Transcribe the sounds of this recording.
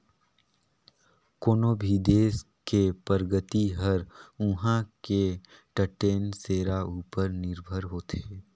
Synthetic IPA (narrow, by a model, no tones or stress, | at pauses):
koːnoːbʱid̪eːs | kepəɾɡət̪iɦəɾʊɦãkeʈəʈeːnseːɾauːpəɾnɪɾbʱəɾɦoːt̪eː